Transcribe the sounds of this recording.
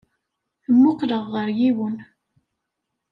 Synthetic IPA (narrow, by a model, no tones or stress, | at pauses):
θəmːʊqləʁːəɾjiwən